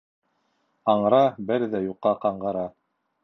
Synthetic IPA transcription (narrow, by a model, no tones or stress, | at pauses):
ɑɴɾɑbɘɾðæjuqːɑqɑɴɢɤ̆ɾɑ